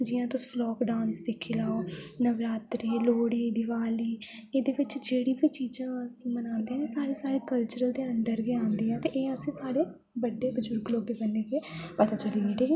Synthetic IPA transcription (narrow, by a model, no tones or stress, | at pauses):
d͡ʒɪjãːt̪õslɔːkɖãːnsd̪eːkʰɪlaːoːnəʋɾaːt̪ɾiːloːɽiːd̪ɪʋaːliː | eːd̪eːʋɪt͡ʃd͡ʒeːɽiːbiːt͡ʃiːd͡ʒãːəsĩːmənãːnd̪eːɛ̃ːesaːɾeːsaːɾeːkəlt͡ʃəɾəld̪eːənd̪əɾɡiãːnd̪iːɛ̃ːt̪eʔeːəsĩːsaːɽeː | bəɖːeːbəd͡ʒʊɾɡloːbeːbənːeːkepət̪aːt͡ʃəliːeːʈʰiːkʰe